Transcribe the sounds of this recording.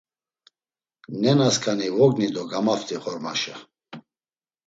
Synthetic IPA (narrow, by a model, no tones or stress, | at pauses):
nɛnaskʰanivɔɡnid̪ɔɡamaft̪ʰʼiχɔɾmaʃɛ